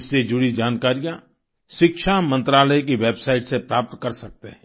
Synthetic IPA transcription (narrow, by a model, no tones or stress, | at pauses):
sːed͡ʒʊɽid͡ʒaːnkaːɾijã | ʃɪkʃamɐ̃nt̪ɾaːləjk̬iʋeːbsaːɪʈsepɾaːp̚t̪kɐɾsɐk̚t̪eɦɛ̃